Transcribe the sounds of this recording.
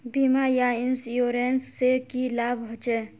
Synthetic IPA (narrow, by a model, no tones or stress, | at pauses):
bimajainsjoɾensːekilabɦɔt͡ʃɛ